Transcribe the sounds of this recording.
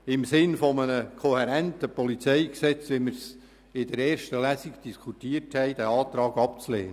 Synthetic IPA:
ɪmsɪnfɔmənəkʰɔhɛɾænt̪əpɔlit͡sɛjksɛt͡sʋɪmɪɾs | ɪdəɾɛːrʃtəlæsiɡd̥iskʰut̪iəthɛɪd̥̪æɑːt̪ɾɑːɡɑpt͡slḛːnə

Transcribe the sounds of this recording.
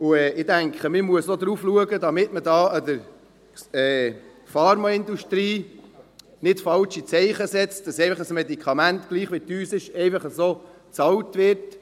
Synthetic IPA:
ʊɛːɪdæŋkχəmɪmuəsod̪ɾuːfluəɡədɑmɪtmədɑːɑdəɾ | ɛː | fɑɾmɑɪnd̪uʃtɾiː | nɪtfɑlt͡ʃit͡sɛɪχəsɛt͡st̚d̥ɑsɛɪfɑχəsmɛd̪ikʰɑmæntɡ̥liːχʋityːsɪʃɛɪfɑχəsoː | t͡sɑwtʋɪɾt

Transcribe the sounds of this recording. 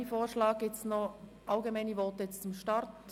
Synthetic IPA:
ifoːɾʃlɑːɡɪt͡snɔ | ʔɑlɡemanəvɔːtəjɛt͡st͡sʊmʃtɑɾt

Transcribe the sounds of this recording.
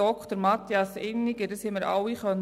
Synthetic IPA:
ɔkχt̪əɾmɑt̪jɑsɪnːiɡədəshɪməɾɑ̰wiχœn

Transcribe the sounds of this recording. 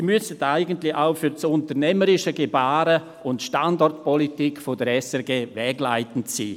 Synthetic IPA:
mysətaɪɡən̩tlɪaʊfyɾt͡sʊntəɾnɛməɾɪʃəɡebaːɾə | ʊntʃtandɔrtpɔlitikfodəɾɛsɛɾɡeːvɛːɡlaɪtən̩tsiː

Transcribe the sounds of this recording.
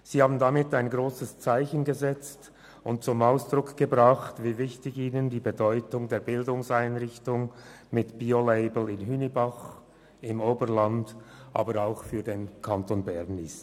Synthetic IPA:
z̥iːhaːbn̩damɪtaɪnɡʁoːsəst͡saɪçənɡəzɛt͡st | ʊnt̚t͡sʊmaʊsd̥ʁʊkʰɡ̥əbʁaχtviːvɪçtɪçiːnəndiːbedɔʏtʊŋdeːɐbɪldʊŋsaɪnʁɪçtʊŋ | mɪtb̥iːoleɪbl̩ɪnɦynibaχ | ɪmoːbəʁlandʔa̰ːbəɾaʊxfyːɐdenkʰantoːnbɛʁnis

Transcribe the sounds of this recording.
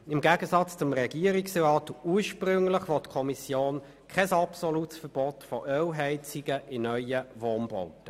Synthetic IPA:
ɪmɡæːɡ̥əsɑt͡st͡sʊmʁɛɡ̥iəɾiksʁɑːtuːɾʃprʏŋləχʋɔtːkʰɔmisjoːn | kʰɛsɑpsɔlutsfəb̥ɔtfɔʔœwɦɛɪt͡siɡəʔɪnœʏəvɔnbɔʊtə

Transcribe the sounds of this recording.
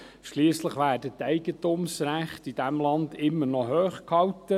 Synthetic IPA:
ʃliːəsləχʋæːɾdətæɪɡətumsɾæχtid̥æmlɑndɪmːənɔɦøːχkʰhɑwtə

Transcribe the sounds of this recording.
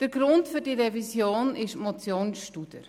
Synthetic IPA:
d̥əɾɡ̥ɾʊntfʏɾd̥iɾɛvisjoːnɪʃmɔt͡sjoːnsʃtud̥ə̰ɾ

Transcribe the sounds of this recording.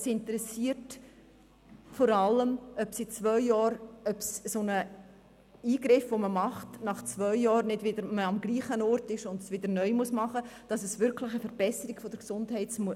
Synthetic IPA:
sɪntəɾɛsiːəɾt | fɔɾɑlːəmœpsit͡svœʏːɑːɾœpssonə | iːɡɾɪfʋoməmɑχtnɑχt͡svœʏjɑːɾnɪdvɪdəɾməɑmɡliːχənɔrtɪʃʊndsʋɪdəɾnœʏmusmɑχəd̥ɑsəsʋʏɾklɪχəfəɾb̥ɛsəɾiɡfod̥əɾksʊndhɛɪtsmu

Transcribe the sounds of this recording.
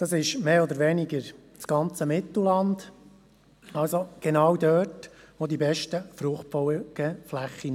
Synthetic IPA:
d̪̥ɑsɪʃmeːɔd̪əɾʋɛnɪɡəɾ | t͡sɡ̥ɑnt͡səmɪt̪l̩lɑnd̥ | ɑlsoɡ̥ɛnɑwd̪œːt | ʋod̪ibɛʃtəfɾʊχt̚fɔɡ̥əflæχi

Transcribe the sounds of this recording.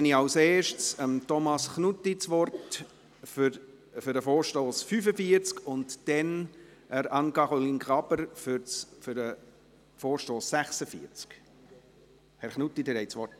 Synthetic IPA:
ɛniɑwseːʃtsəmtɔmɑsχnutːit͡sʋɔrt | f | fʏɾdəfoːɾʃtoːsfyfəfiəɾt͡skʊntd̥ɛn | əɾɑnkɑʁolinkʰʁɑbəɾfʏfʏɾə | foːɾʃtoːsːæχsəfḭəɾt͡sk | hɛɾχnutːidəɾɛɪt͡sʋɔrt

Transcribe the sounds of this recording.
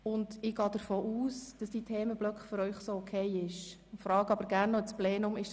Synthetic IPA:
ʊndɪɡɑːd̥əɾfoːuːsd̥ɑsd̥iːtʰɛːməb̥lœkχfʏɾœʏχsoɔkʰɛɪɪʃ | fɾɑːɡəɑbəɾɡæːɾnːɔɛt͡splɛːnʊmɪʃ

